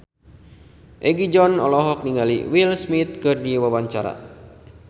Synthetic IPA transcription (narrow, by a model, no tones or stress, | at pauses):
ʔɛɡid͡ʒɔnɔ̰lɔɦɔk̚niŋalḭwilsmit̪̚kɨrdiwawaɲt͡ʃaɾa̰